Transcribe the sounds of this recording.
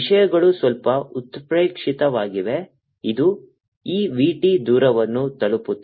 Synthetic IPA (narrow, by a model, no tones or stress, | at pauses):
ʂɐjɐɡɐɭusʋɐlpɐut̪pɾeːkʂit̪ɐʋaːɡiʋe̞ | id̪u | iːʋiːʈid̪uːɾɐʋɐnːut̪ɐɭuput̪ː